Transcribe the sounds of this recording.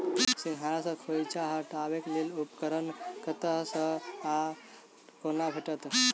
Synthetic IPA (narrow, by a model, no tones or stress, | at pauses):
siŋɦaɾasəkʰojt͡ɕaɦəʈaʋeklelupkəɾənkət̪əsəa | konabʱəʈət̪